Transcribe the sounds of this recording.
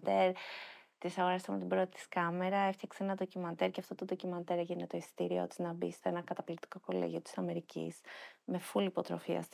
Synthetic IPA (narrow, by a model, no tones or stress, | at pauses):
d̪eɾt̪isɐɣo̞ɾɐst̪emet̪ibɾot̪i̥t̪i̥skɐme̞ɾɐe̞ft̪çɐksenɐðo̞cimɐnd̪eɾceɐft̪o̞t̪oðo̞cimɐnt̪eɾɐʝineet̪o̞ist̪iɾio̞̰t̪iznɐbḭst̪oenɐkɐt̪ɐplikt̪i̥ko̞kolḛʝio̞t̪i̥sɐme̞ɾicḭsme̞fulipo̞t̪ɾo̞̰fiɐ̰s